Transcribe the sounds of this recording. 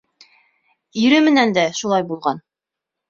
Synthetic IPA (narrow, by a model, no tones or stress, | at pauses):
iɾɘmɘ̆nænd̪æʃulˠɑjbulˠʁɑn